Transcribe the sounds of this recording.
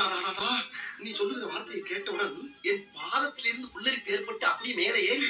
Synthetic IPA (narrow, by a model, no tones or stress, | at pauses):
aaanaːnĩːsɔlːɯɣɾɐʋaːɾɐt̪ːɐiːkeːʈːɐʊɳɐɾðɯɛnpaːðɐt̪ːɪlɪɾɯnd̪ɯkɔɭːɪɾɯkːɯeːɾpːɐʈːɯɐpːɐɽimeːlɐjeː